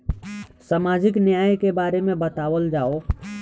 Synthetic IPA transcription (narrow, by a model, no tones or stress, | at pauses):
səmaːd͡ʒɪknjaːjkebaːɾemẽbət̪aːʋəld͡ʒaːo